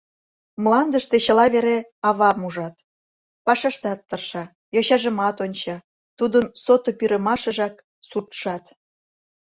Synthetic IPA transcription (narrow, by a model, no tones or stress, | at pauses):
mlˠɑnd̪əʃt̪et͡ɕəlɑβeɾeɑβɑmuʒɑt̪ | pɑʃɑʃt̪ɑt̪ːərʃɑ | joɕɑʒə̆mɑt̪onʲt͡ɕɑ | t̪ud̪ənsot̪opyɾə̆mɑʃə̆ʒɑk | surt̪ʃɑt̪